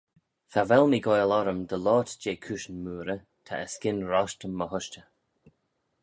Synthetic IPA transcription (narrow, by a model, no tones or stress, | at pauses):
θʰavɛlmiːɡɔjlɔɾəmd̪əlɔːtd͡ʒeːkʰuʃənmuːɾə | t̪ʰa̰ʔəskɪnɹɔʃtəmːəhʊʃt͡ʃə